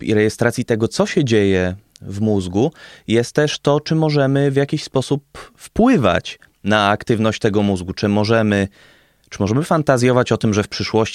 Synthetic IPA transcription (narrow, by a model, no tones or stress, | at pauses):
ḭɾɛjɛst̪ɾat̪sʲit̪ɛɡɔt̪sɔɕɛd͡ʑejɛvmuzɡujɛst̪ːɛʂt̪ɔt͡ʂɘmɔʐɛmɘvʲjakʲiɕspɔsupfpwɘva̰t͡ɕ | naakt̪ɘvnɔɕt͡ɕt̪ɛɡɔmuzɡut͡ʂɘmɔʐɛmɘ | t͡ʂɘ̥mɔʐɛmɘfant̪azʲjɔvat͡ɕɔt̪ɘmʐɛfpʂɘʂwɔɕt͡ɕ